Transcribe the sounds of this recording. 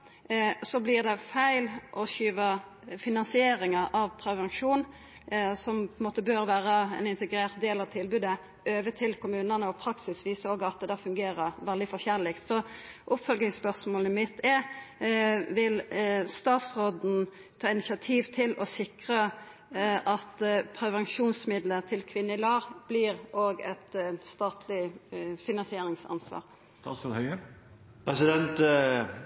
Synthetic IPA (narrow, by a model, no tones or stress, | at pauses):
sɔblɪʁd̪ɛfæɪlʔɔɕyːʋə | fɪnɑnsɪeːɾɪŋəʔɑʋpʰɾɛʋɛnʂuːn | sɔmppʰɔɛnmoːt̪əbøːɾʋæːɾəɛnɪnt̪əɡɾeːʁt̪̚d̪eːlɑʋt̪ʰɪlbʉːd̪ə | øːʋət̪ʰɪlkʰʊmʉːnənəɔpʰɾɑksɪsʋiːsoːɡɑt̪̚d̪ɛd̪ɑæːfʉŋɡeːɾəɾʋɛld̪ɪfɔçɛnlɪkt̪sɔʔʊpfœlɡɪŋspœʁsmoːləmɪt̪ʰɛ | ʋɪlst̪ɑːt̪sʁoːd̪n̩ | t̪ʰɑːɪnɪsɑt̪ʰiːʋt̪ʰɪlɔsɪkʁə | ʔɑt̪pʰɾɛʋɛnʃuːnsmɪd̪lət̪ʰɪlkʰʋɪnːəɪlɑːʁb̥lɪːʁʔoːɡɛt̪st̪ɑːt̪ʰlɪfɪnɑnsɪeːɾɪŋsɑ̰nsʋɑ̰ːʁ | hœ | pʰɾɛsɪd̪ɛnt̪